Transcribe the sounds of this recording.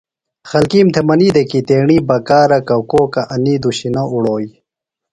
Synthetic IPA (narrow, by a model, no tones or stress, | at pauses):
xɐlkiːmt̪ʰemɐniːd̪ekit̪eːɳiːbɐkaːɾɐkɐwkoːkɐʔɐniːd̪uɕinɐuɽoːj